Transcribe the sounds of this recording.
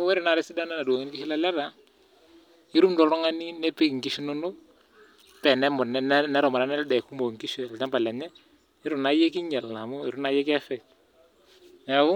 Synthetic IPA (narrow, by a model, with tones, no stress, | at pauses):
wɛ˦ɾɪ˨na˨ɾɛ˦si˦da˦na˦na˨do˨ŋi˦nkɪ˦ʃi˦la˦lɛ˦ɾa˨ | ɪ˦ɾu˦mdɔ˨ɾɔ˦ŋa˦ni˦nɛ˦pɪ˦kŋ̩˨ki˦ʃi˦nʊ˦nʊ˦ | pɛ˨nɛ˦mɔ˨nɛ˦nnɛ˦ɾɔ˨ma˨ɾa˦nɛ˦ldɛ˨ku˦mo˨ŋki˦ʃɔ˨ɛ˨lta˦mba˨lɛ˨ɲɛ˦ | ɪ˦ɾʊ˨na˨je˦ki˦ɲɛ˨la˨mʊ˦ɪ˨ɾu˦na˦jɛ˦kɛ˦fɛ˨t | ɛ˨wʊ˦